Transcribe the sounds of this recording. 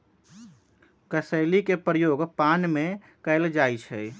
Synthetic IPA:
kəsəlikepɾəjoɡpanme | kəɪld͡ʒajt͡ʃʰɛ̰

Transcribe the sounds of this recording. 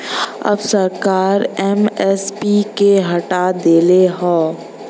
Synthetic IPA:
ɐ̰bsɐɾkaːɾɛːmɛspikeɦɐʈad̪eːleɦɔ̃ː

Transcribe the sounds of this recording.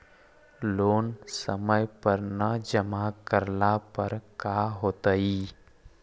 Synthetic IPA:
loːnsəməjpəɾnəd͡ʒəmakəɾnapəɾkaːɦoːt̪əiː

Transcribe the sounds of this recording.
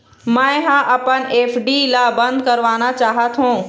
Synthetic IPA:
mãːɦãʔɐpəneːfɖilabɐ̃nd̪kɐɾʋaːnat͡ɕaːɦət̪ɦũː

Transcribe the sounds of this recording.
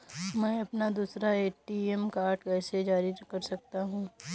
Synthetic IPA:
mɛ̃ːɐpnad̪uːsɾaeːʈiɛmkaːɾʈkɛːsed͡ʒaːɾikɐɾsɐk̚t̪aɦũː

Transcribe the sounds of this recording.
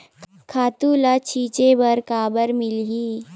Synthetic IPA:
kʰaːt̪ulat͡ɕʰiːt͡ʃebəɾkaːbəɾmɪlɦi

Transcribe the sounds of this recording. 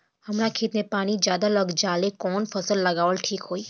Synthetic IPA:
əmɾakʰet̪nepaɽ̃id͡ʒjad̪aləɡd͡ʒalekɔnfʰəsəlːəɡaʋəlʈʰikɦoi

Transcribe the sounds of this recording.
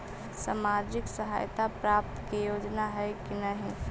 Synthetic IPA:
samaːɾd͡ʒɪksəɦa̰ːjt̪apɾaːp̚t̪kijoːd͡ʒnaɦɛkinəɦĩ

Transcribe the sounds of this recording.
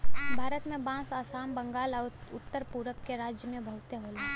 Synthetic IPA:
bʱaːɾət̪mẽbãːsaːsaːmbə̃ŋɡaːlɔʊt̪ːəɾpuːɾəkkeɾaːd͡ʒjəmẽbʱɐɦʊt̪eɦoːla

